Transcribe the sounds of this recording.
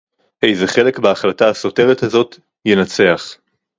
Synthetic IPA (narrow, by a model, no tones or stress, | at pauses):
ʔe̞jze̞χe̞le̞kbeaχlataːso̞te̞vethazo̞t | jenat͡se̞aχ